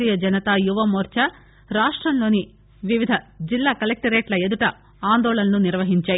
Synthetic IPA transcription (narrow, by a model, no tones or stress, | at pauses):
iːjɐd͡ʒɐnɐt̪ajuʋɐmoːɾt͡ʃɐ | ɾaːʂʈɾɐnlo̞ːni | ʋiʋid̪ʱɐd͡ʒilːaːkɐlek̚ʈɐɾeːʈlɐe̞d̪uʈɐ | aːnd̪ɔːɭɐnɐnuniɾʋɐɦiɲt͡ʃaːji